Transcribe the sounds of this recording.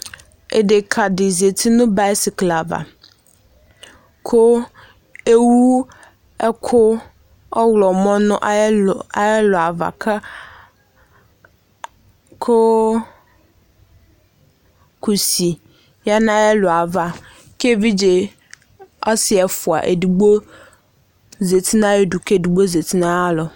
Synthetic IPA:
ḛ˨de˨kʰa˨dɪ˨ze˨t̪ʰi˦nʊ̃˦ba˦si˨kla˨va̰˨ | kʰo˦ | e˦wu˦ | ɛ˦kʰʊ˦ | ɔ˦wlɔ˨mɔ̃˦nʊ̃˦ʔa˨ɛ˦lʊ˨a˨va̰˨kʰa˦ | kʰo˦ | ku˨si˨ | ja˦nã˦ɛ˦lɔ˨a˨va˨ | ke˦vi˦d͡ʒe˨ | ɔ˦sɪ˨ɛ˨fu˨a̰˨ʔe˨du˨ɡ͡bo˦ | ze˨t̪i˦nã˦je˦ɖu˨ke˦˨du˨ɡ͡bo˦ze˨t̪i˦nã˦a˦lɔ˨

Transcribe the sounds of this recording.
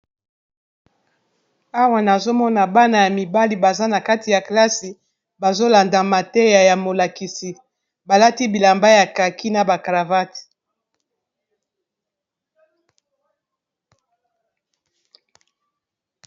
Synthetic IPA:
a˦wa˨na˨zo˦mɔ˦na˨ba˦na˨ja˨mi˨ba˦li˨ba˨za˦na˨ka˦ti˨ja˨kla˦si˨ | ba˨zo˦la˨nda˨ma˨tɛ˦ja˨ja˨mo˨la˨ki˨si˨ | ba˨la˦ti˦bi˨la˨mba˦ja˨ka˨ki˦na˨ba˨ka˨va˦ti̥˨

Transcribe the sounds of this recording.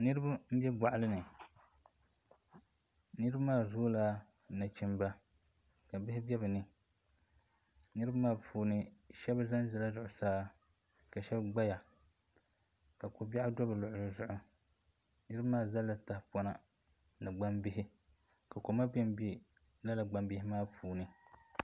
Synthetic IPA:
nɨ˦ɾɨ˦ba˦m̩˦bʲɛ˦ba˨ʔa˦lɨ˦nɨ˨ | nɨ˦ɾɨ˦ba˦maː˦˨zoː˦la˦ | na˨t͡ʃi˨mba˦ | ka˨bɪ˦hɪ˦bɛ˦bɨ˨nɨ˨ | nɨ˦ɾɨ˦ba˦maː˦˨pʰuː˨nɨ˦ʃɛ˦ba˦za˦n˦zɪ˨la˦zʊ˨ʔʊ˨saː˦ | ka˨ʃɛ˦bɡ͡ba˦ja˨ | ka˨ko˨ba˦ʔʊ˦dɔ˦bɨ˨lʊ˨ʔʊ˨ɾɨ˦zʊ˨ʔʊ˨ | nɨ˦ɾɨ˦ba˦maː˦˨za˦lːa˨ta˦hpɔ˦na˦ | na˨ɡ͡ba˦mbɪ˦ɦɪ˦ | ka˨ko˨ma˦bɛ˦mbi˦ | la˦la˨ɡ͡ba˨mbɪ˦hɪ˦maː˦pʰuː˨nɨ˦

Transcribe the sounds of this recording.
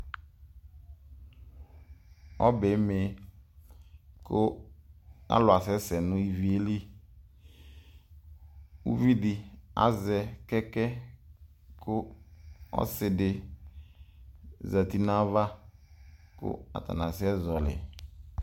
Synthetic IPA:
ɔ˦be˨˦me˨ | kʊ˦ | a̰˦lʊ˨a˨sɛ˦sɛ˨nʊ̃˦i˦˨vi˦e˦li˦ | ṵ˦vi˦dɪ˨a̰˨zɛ˨kɛ˦kɛ˦ | kʰʊ˦ | ɔ̰˦sɪ˨dɪ˨ | za˨t̪i˦nã˦va˦ | kʊ̰˦a̰˨t̪a̰˨nã˨sɪ˦ɛ˦zɔ˨lɪ̰˨

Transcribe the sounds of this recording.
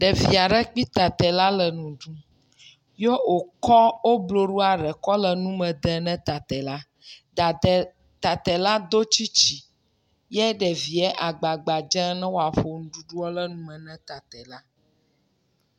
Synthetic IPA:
ɖɛ˨vi˨a˨ɖɛ˦k͡pi˦t̪a˨t̪ɛ˨la˦lə˨nũ˨ɖu˦ | jo˦o˨kɔ˦wo˦blo˨ɖu˦a˨ɖɛ˨kɔ˦lə˨nũ˦mɛ̃˨d̪ɛ˨nɛ̃˦t̪a˨t̪ɛ˨la˦ | d̪a˨d̪ɛ˨ | t̪a˨t̪ɛ˨la˦d̪o˦t͡ɕi˦t͡ɕi˨ | jɛ˦ɖɛ˨vi˨ɛ˦ʔa˨ɡ͡ba˨ɡ͡ba˨d͡ʒɛ̃˦nɛ̃˦wo˦a˨ɸo˨nũ˦ɖu˦ɖu˦ɔ˦lə˦nũ˦mɛ̃˨nɛ̃˦t̪a˨t̪ɛ˨la˦

